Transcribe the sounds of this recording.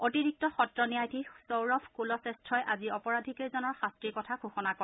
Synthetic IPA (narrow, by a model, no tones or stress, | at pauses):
otiɹik̚tɔxɔtɹɔnijajtʰisowɹɔpʰkulɔsestʰɹɔjʔaziɔpɔɹadʱikezɔnɔɹxastɹikɔtʰakʰuxɔnakɔ